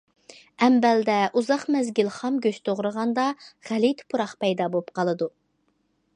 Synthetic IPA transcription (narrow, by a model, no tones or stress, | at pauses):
ɛmbɛld̪ɛʔuzɑχmɛzɡʲilχɑmɡʲøʃt̪ʰoʁɾəʁɑnd̪ɑʁ̥ælit̪pʰuɾɑχpɛjd̪ɑbop̚qɑlˠɨd̪u